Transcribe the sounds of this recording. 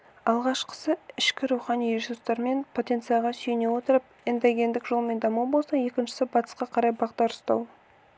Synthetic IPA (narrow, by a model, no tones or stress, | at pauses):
ɑlˠʁɑʃqʰə̥səɪʃkʲɪɾuwχɑnijsust̪ɑɾme̞npʰo̞t̪e̞nt̪sɨjɑʁɑsyjne̞wo̞t̪əɾəp̚ | end̪ɑɡʲe̞nd̪ɪkʒo̞lˠəme̞nd̪ɑmbolˠsɑje̞kʲɪnʃɪ̥sɪbɑt̪ə̥sqɑqʰɑɾɑjbɑʁd̪ɑɾʊst̪ɑ̰w